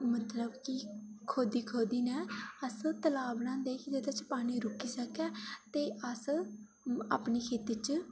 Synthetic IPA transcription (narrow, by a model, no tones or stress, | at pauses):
mət̪ləbkikʰoːd̪iːkʰoːd̪iːnɛːəst̪əlaːbnãːd̪eːkd͡ʒed̪at͡ʃpaːñiːɾʊkiːsəkɛːt̪eːʔəs | a̰ːpɳiːkʰeːt̪iːt͡ʃ